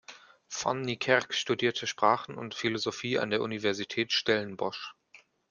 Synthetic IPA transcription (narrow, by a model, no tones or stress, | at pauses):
fa̰nːikʰɛkʃtudiːɐtʰəʃpʁ̥aːχn̩ʊ̰ntfilozofiːʔa̰ndeːɐʔunivɛɐzitʰɛːtʃtɛlənbɔʃ